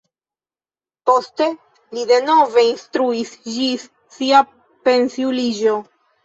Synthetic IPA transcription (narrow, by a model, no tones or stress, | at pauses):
po̞ste̞ | lide̞no̞ve̞instɾuisd͡ʒisː | ia | pe̞nsiulid͡ʒo̞